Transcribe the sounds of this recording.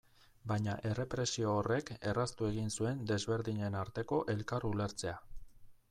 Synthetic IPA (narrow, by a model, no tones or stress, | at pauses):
bajɲaʔe̞re̞pɾe̞sio̞ːre̞ke̞rast̪ue̞ɣinsue̞nd̪e̞zβe̞ɾðiɲe̞naɾt̪e̞ko̞ʔe̞lkarule̞ɾt͡se̞a